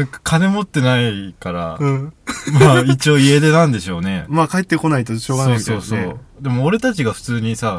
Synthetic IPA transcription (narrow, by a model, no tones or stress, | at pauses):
aḁkʰane̞mo̞t̪ːe̞naikaɾa̰ɯ̟̃ːmaːit͡ɕio̞ːied̪e̞nãnd̪e̞ɕo̞ːne̞maːkaet̪ːeko̞nait̪oɕo̞ːɡanso̞ːiso̞ːsdo̞eː | d̪e̞mo̞ːɾe̞t̪at͡ɕiɡaɸɯ̥t͡sɨːɲ̟isa